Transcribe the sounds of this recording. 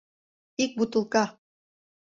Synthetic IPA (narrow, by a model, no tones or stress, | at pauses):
ik̚but̪ə̆lˠkɑ